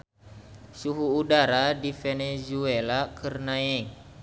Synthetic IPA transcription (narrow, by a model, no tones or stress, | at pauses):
suɦuːdaɾadifenezuelakʰərnaɛŋ